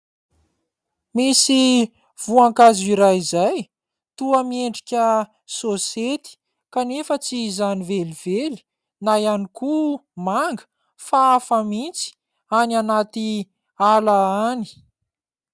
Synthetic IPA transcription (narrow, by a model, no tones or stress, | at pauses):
misi | v̥uaŋkaziɾajizaj | t̪uəmieɳɖ͡ʐikʲə | soset̪i̥ | kanefət͡sizaniveliveli̥ | najanikumaŋɡə̥ | faafəmint͡si̥ | ananat̪i | alaani̥